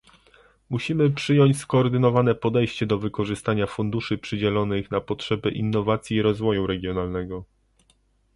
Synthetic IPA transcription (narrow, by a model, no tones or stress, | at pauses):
muɕimɘpʂɘjɔɲt͡ɕskɔːɾd̪ɘnɔvanɛpɔd̪ɛjɕt͡ɕɛd̪ɔvɘkɔʐɘst̪aɲafund̪uʂɘpʂɘd͡ʑɛlɔnɘxnapɔtʂɛbɘʔḭnːɔvat̪sʲjiːɾɔzvɔjuɾɛɡʲjɔnalnɛɡɔ